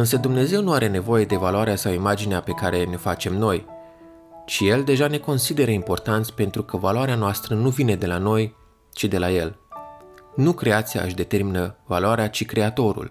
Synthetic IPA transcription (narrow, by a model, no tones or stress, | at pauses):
ɨnsəd̪umne̞ze̞wnuaɾe̞ne̞vo̞je̞d̪e̞valuaɾeasawimad͡ʒineape̞kaɾe̞ne̞fat͡ʃe̞mno̞j | t͡ʃije̞ld̪e̞ʒane̞ko̞nsid̪e̞ɾəimpo̞rt̪ant̪sʲpe̞nt̪ɾukəvaloaɾeanoast̪ɾənuvine̞d̪e̞lano̞j | t͡ʃid̪e̞laje̞l | nukɾe̞at̪sija̰ɨʃʲd̪e̞t̪e̞rminəvaluaɾeat͡ʃikɾe̞at̪o̞ɾṵl